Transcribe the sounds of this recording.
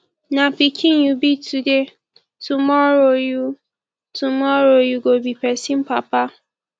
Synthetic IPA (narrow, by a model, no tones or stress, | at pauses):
napikʰĩnjubitʰude | tumɔɾoju | tʰumɔɾojuɡobipɛsĩm̩papa